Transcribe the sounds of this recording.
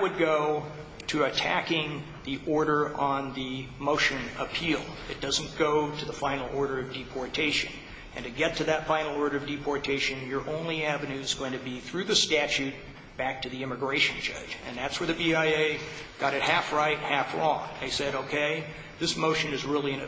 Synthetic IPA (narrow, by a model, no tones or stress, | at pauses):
wɨd̚ɡoʊ | ɾɨɨtʰækɪ̃ŋ | ðiʔɔɹɾə˞ʔə̃nðimoʊʃɨ̃nəpʰilˠɨt̚d̥ʌzn̩ɡ̥oʊɾɨðəfãɪ̃nl̩ˠɔɹɾə˞ʌvdipʰɔɹtʰeɪʃɨ̰̃n | ɨ̃ntɨɡɛtʰɨðɨtfãɪ̃nl̩ˠɔɹɾə˞ʌvdipʰɔɹtʰeɪʃɨ̃njə˞ʔõʊ̃nliævɨnʉɨzɡoʊɪ̃ŋtʰɨbiθɹʉðɨstæt͡ʃʉt̚ | b̥æk̚tʰɨðiɪ̃mɨɡɹeɪʃɨ̃nd͡ʒʌ̰̥d͡ʒɨ̰̃nðætswə˞ðɨbiaɪeɪɡ̥ɑɾɨt̚hæfɹaɪt̚hæfɹɔ̰̃ŋðeɪsɛɾoʊkʰeɪ | ðɪsmoʊʃɨ̃nɨzɹɪlˠiɨ̃n